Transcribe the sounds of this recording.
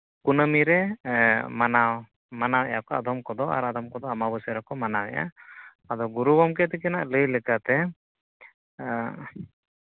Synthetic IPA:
kunəmiɾɛ | manaw | manawɛja̰kɔad̪ɔmkɔd̪ɔa̰ɾad̪ɔmkɔd̪ɔamabəsəɾakɔmanawɛ̰ja̰ | ad̪ɔɡuɾubɔmk̬ɛt̪ɛkɛna̰ʔləjlɛkat̪ɛ

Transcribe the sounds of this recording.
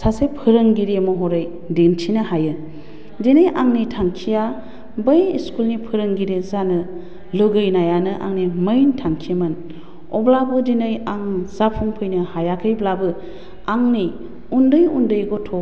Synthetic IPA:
sasepʰɯɾɯŋɡiɾemɔɦɔɾɯj | deŋtʰinɯhajɯ | dinɯjʔaŋnitʰaŋkʰija | bɯjiskulnipʰɯɾɯŋɡiɾezanɯ | lɯɡɯjnajanɯʔa̰ŋnimɯjntʰaŋkʰimɯn | ɔ̰blabɯdinɯjaŋzapʰuŋpʰɯjnɯhajakʰɯjblabɯ | aŋni | undɯjundɯjɡɔtʰɔ

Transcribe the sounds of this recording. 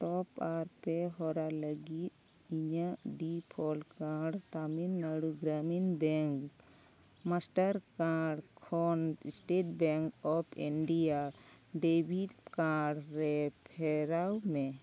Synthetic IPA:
ʈɔpaɾpɛɦɔɾaləɡit̪̚ | iɲaʔɖipʰɔlkaɖt̪aminːaɽuɡɾaminbɛŋk | masʈaɾkaɾɖkʰɔnsʈeʈbɛŋkɔpʰiɳɖijaɖebʱidkaɾɖɾɛpʰɛɾawmɛ

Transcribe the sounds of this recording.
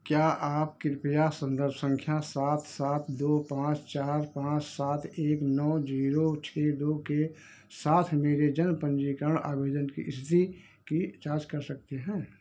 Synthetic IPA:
kjaʔaːp̚kɪɾpjasə̃nd̪əɾbsə̃ŋkʰjasaːt̪ʰsaːt̪ʰd̪oːpãːt͡ʃt͡ʃaːɾpãːt͡ʃsaːt̪ʰeːknɔːd͡ʒiːɾot͡ʃʰeːd̪oːke | saːt̪ʰmeːɾed͡ʒənpə̃nd͡ʒikəɾəɳ̃a̰ːbeːd̪ənkḭʔɪst̪i | kit͡ʃaːd͡ʒkɐɾsəkt̪eɦɛ̃ː

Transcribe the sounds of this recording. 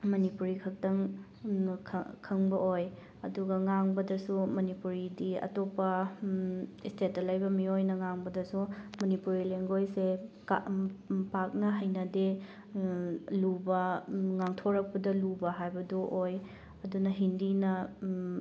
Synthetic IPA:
mɐnipuɾikʰɐk̚tɐŋʰ | kʰɐŋbɐʔoj | ɐduɡɐŋaŋbɐdɐsumɐnipuɾidiɐ̰topɐ | istetɐlɐjbɐmiojnɐŋaŋbɐdɐsumɐnipuɾileŋɡojse | pak̚nɐɦɐjnɐde | lubɐŋaŋtʰoɾɐk̚pɐdɐlubɐɦajbɐdoʔoj | ɐdunɐɦindinɐ

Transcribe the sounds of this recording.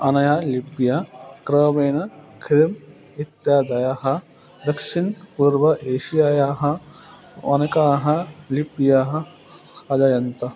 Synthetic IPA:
ɐnɐjalipijakɾɐːbeːnɐkʰɾim | it̪jaːd̪ɐjaɦɐ | d̪ɐkʃinpuɾʋɐʔeːʃijaːjaːɦɐ | ɐ̰nɐkaːɦɐlipjaːɦɐ | ɐd͡ʒajɐnt̪ɐ

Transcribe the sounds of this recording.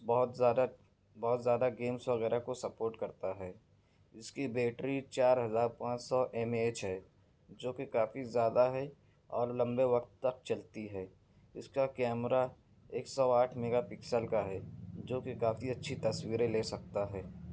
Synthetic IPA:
bɔːt̪ːd̪a | bɔːt̪zjaːd̪aɡeːmsʋɐɣɛːɾakosɐpoːɾʈkɐɾt̪aɦɛː | ɪskibeːʈɾit͡ʃaːɾɦɐzaːɾpãːt͡ʃsɔʔɛːmeːt͡ʃɦɛ | d͡ʒoːkekaːfizjaːd̪aɦɛ | ɔːɾlɐ̃mbeʋɐqt̪ːɐk̚t͡ʃɐlt̪iɦɛː | ɪskakɛːmɾa | eːksɔaːʈʰmɛɡapɪksəlkaɦɛːd͡ʒoːkekaːfiɐtːʃʰit̪ɐswiːɾeleːsɐk̚t̪aɦɛː

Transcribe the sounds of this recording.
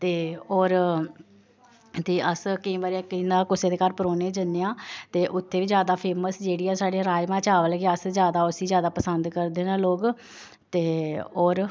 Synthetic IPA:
t̪eːoːɾ | t̪eːʔəskəĩːbaːɾiãːkənãːkʊseːd̪eːkaːɾpəɾoːnẽːd͡ʒənːeːãːt̪eːʔʊt̪ʰːeːʋiːd͡ʒjaːd̪aːpʰeːməsd͡ʒeːɽiːaːsaːɽeːɾaːjmãːt͡ʃaːʋəlːɡeəszjaːd̪aːʊsiːzjaːd̪aːpəsənd̪kəɾd̪eːnãːloːɡ | t̪eːoːɾ

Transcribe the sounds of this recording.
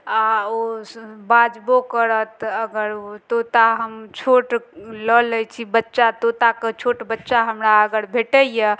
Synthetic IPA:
aobad͡ʒbokəɾət̪əɡəɾot̪ot̪aɦəmt͡ʃʰoʈlələt͡ʃʰibətːʃat̪ot̪akət͡ʃʰoʈbətːʃaɦəmɾaəɡəɾbʱeʈəjə

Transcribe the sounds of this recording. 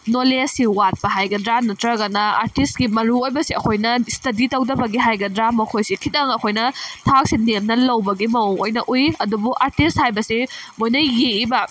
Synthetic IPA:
nolesiwat̚pɐɦajɡɐdɾanɐtɾɐɡɐnɐa̰ɾtist̚ɡimɐɾuojbɐsiɐkʰojnɐstɐditɐwdɐbɐɡiɦajɡɐdɾamɐkʰojsikʰitɐŋɐkʰojnɐtʰak̚sinemnɐlɐwbɐɡimɐuojnɐʔujɐdubuʔaɾtist̚hajbɐsimojnɐjeibɐ

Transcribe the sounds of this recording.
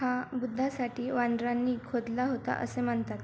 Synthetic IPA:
ɦabud̪ʱːasaʈiːʋand̪ɾanːiːkʰod̪laɦot̪a̰ʔə̰sem̤əɳt̪at̪

